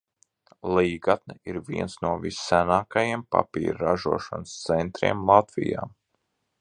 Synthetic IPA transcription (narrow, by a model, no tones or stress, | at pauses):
lˠiːɡat̪nɛiɾviɛnsnuɔvisːænaːkajiɛmpa̰pḭːɾɾaʒuɔʃa̰nst̪sɛnt̪ɾḭɛmlˠat̪vḭja̰ː